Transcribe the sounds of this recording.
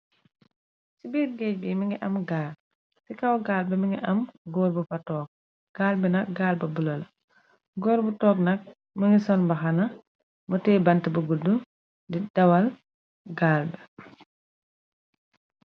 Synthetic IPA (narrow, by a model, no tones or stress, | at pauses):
sibɛːɾɡɛːc̚bimiŋɡɛʔɐmɡaːl | sikawɡaːlbɛmiŋɡiʔɐmɡɔːɾbufatɔːk̚ | ɡ̥aːlbɛnɐk̚ɡaːlbɐbulɐl | ɡɔːɾbutɔːk̚nɐk̚ | miŋɡisɔnbɐxanɐ | mɔtɛːbantbɐɡudːu | did̥ɐwal | ɡaːlbɛ